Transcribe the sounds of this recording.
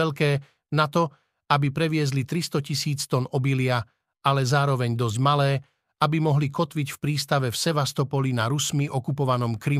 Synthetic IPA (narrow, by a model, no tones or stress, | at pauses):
ɛlkɛː | nat̪ɔ | abipɾɛʋɪɛzlit̪ɾist̪ɔcisiːt͡st̪ɔnɔbilɪa | alɛzaːɾɔʋɛɲd̪ɔzɟmalɛː | abimɔɦlikɔt̪ʋicfpɾiːst̪aʋɛfsɛʋast̪ɔpɔlinaɾusmiʔɔkupɔʋanɔmkɾi